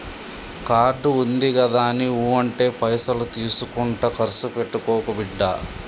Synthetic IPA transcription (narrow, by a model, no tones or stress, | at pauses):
kaːɾɖuund̪iɡɐd̪aːniuːɐɳʈe̞ːpɐjsɐlut̪iːsukuɳʈɐkɐɾsupe̞ʈːukɔːkuɐbiɖːa̰ː